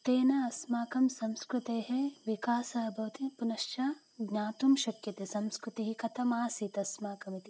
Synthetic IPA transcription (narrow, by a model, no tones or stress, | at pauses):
t̪eːnɐɐsmaːkɐmsɐmskɾut̪eːɦeʋikaːsɐɐbʱɐʋt̪ipunɐʃt͡ʃaː | ɡɲaːt̪umʃɐkjɐt̪esɐmskɾut̪iɦikɐt̪ʰɐmaːsiːt̪ɐsmaːkɐmit̪i